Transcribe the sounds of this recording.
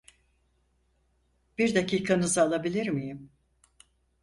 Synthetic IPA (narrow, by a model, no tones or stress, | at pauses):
b̥iɾd̪acʰiːkʰanɯzalˠabilʲiɾmijim